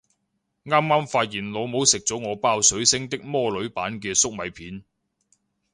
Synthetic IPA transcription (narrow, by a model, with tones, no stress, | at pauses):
ŋaː˥mŋaː˥mfaː˧t̚jiː˨˩nloː˨˧wmo˨˥wsɪ˨k̚t͡sɔ˨˥wŋɔː˨˧paː˥wsɵ˨˥ɥsɪ˥ŋt̪ɪ˥k̚mɔː˥lɵ˨˥ɥpaː˨˥nkɛː˧sʊ˥k̚mɐ˨˧jpʰiː˨˥n